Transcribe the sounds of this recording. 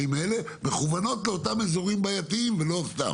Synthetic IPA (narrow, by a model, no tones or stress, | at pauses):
ime̞le̞ | me̞χuvano̞tleo̞tamezo̞ʁimbajatiimvelo̞afta̰m